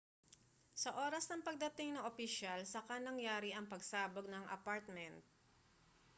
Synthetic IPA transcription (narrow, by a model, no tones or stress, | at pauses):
sɐʔo̞ːɾɐsnɐŋpɐɡ̚d̪ɐt̪ɪŋnɐŋʔopɪʃalsɐkɐnɐŋjaːɾɪʔɐŋpɐɡsaːbɐɡ̚nɐŋʔɐ̰paɹt̪̚mɛnt̪̚